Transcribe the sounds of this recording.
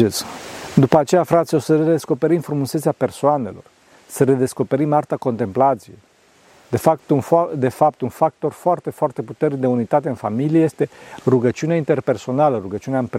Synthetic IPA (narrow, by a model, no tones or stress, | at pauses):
esd̪upəat͡ʃe̞jafɾat̪sʲjo̞səred̪e̞sko̞pe̞ɾimfɾumuset̪seape̞rsoane̞lo̞̰r | səɾe̞d̪e̞sko̞pe̞ɾimart̪ako̞nt̪emplat̪sije̞̰j | d̪e̞fapt̪und̪e̞fap̚t̪unfak̚t̪o̞rfoart̪e̞foart̪e̞put̪e̞rnid̪e̞unit̪at̪e̞ɨnfamilijeje̞st̪e̞ruɡət͡ʃiuneaint̪e̞rpe̞rso̞naləruɡət͡ʃiunaɨmp